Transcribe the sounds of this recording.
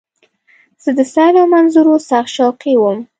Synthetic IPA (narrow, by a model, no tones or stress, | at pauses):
z̥əd̪əsɑlawmanzuɾosɑxʃawqiwəm